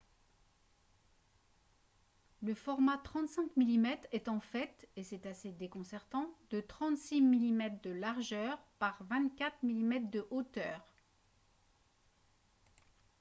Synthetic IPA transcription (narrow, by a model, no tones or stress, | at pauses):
ləfɔʁmat̪χɑ̃t̪sɛ̃kmilimɛt̪χɛt̪ɑ̃fɛt̪esɛt̪ased̪ekɔ̃sɛʁt̪ɑ̃d̪ət̪χɑ̃t̪similimɛt̪χd̪əlaʁʒœʁpaʁvɛ̃t̪kʲat̪χmilimɛt̪χd̪əʔot̪œːʁ